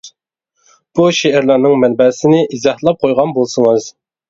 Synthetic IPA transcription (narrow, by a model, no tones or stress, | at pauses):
b̥uʃeæɾlˠɑɾnɨŋmɛnbɛsɪnɪʔizɑhlˠɑp̚qʰojʁɑnbolˠsɨŋɨz̥